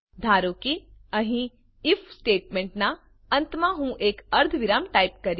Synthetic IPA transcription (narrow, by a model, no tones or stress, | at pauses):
d̪ʱaːɾokiɐɦĩ | ɪfʰsʈeːʈmẽɳʈna | ɐ̃nt̪maɦũʔeːkɐɾd̪ʱʋɪɾaːmʈaːɪp̚kɐɾ